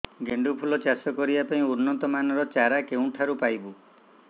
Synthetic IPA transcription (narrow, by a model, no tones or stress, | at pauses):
ɡeɳɖupʰulɔt͡ʃasɔkɔɾibapaĩuɾnːɔt̪ɔmanɔɾɔt͡ʃaɾakeũʈʰaɾupajbu